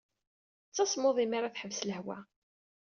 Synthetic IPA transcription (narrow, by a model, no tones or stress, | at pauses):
t͡sːɑsmoðˤimaɾaθħəvsləhwæ̰